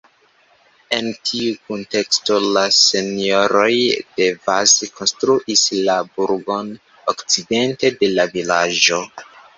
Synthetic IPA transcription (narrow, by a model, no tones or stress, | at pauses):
e̞ntʰiukunte̞ksto̞lase̞nio̞ɾo̞jd̥e̞vazko̞nstɾuʔislabuɾɡo̞n | okt͡side̞nte̞de̞lavilad͡ʒo̞